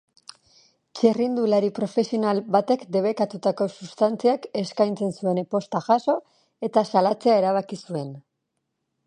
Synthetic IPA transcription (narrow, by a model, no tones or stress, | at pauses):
t͡ʃerind̪ulaɾipɾo̞fe̞sio̞nalbat̪e̞kd̪e̞β̞e̞kat̪ut̪ako̞sust̪ant͡siake̞skajnt͡se̞nsue̞npo̞st̪aʝaso̞ | e̞t̪asalat͡se̞ae̞ɾaβ̞akisue̞n